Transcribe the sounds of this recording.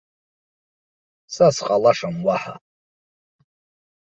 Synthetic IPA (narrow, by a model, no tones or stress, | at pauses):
sasqʼalaʂamwaħa̰